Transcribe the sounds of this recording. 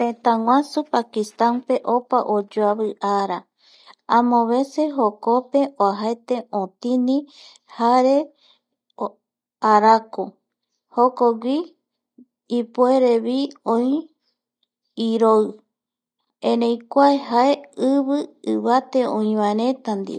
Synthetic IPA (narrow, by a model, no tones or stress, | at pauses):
t̪ẽt̪ãŋwʷãsupakist̪anpe̞ʔopaʔod͡ʒoaβɨʔaɾa | ãmõβe̞seɦokope̞oaɦaet̪e̞õt̪inĩ | haɾe̞ | aɾako | hokoɡʷi | pueɾeβiõĩ | iɾo | ẽɾẽjkʷaehaeɨβɨɨβat̪e̞õĩβãeɾẽ̞t̪and̪ḭ